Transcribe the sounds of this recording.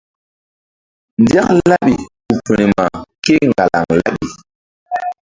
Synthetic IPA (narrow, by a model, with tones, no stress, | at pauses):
ndi˦a˦kla˦ɓi˨ku˨pi˨ni˨ma˨ke˦ŋɡa˨la̰˨ŋla̰˦ɓi˨